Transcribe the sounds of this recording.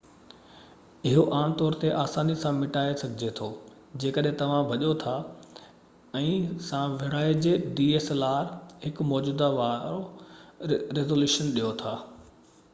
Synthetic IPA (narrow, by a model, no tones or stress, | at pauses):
ɪɦoʔaːɽ̃t̪ɔːɾt̪eʔaːsaːnisãmɪʈaːesɐɡʱɪd͡ʑet̪ʰoː | d͡ʑeːkəɗɦẽt̪ɐʋ̤ãbʱɐʄot̪ʰa | ɛ̃ːsãʋɪɽaːed͡ʑeːɖiːeːselaːɾɦɪkʊmɔːd͡ʑuːd̪aʋaːɾo | ɾezoːljuːʃənɗijot̪ʰaː